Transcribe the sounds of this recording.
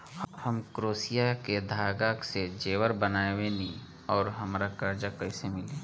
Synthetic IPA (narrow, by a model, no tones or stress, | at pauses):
hɐmkɾoːsijaked̪ʱaːɡaːksed͡ʒeːwəɾbənaːewenĩ | ɔːɾɦɐmːɾakaɾd͡ʒakɐisemɪleː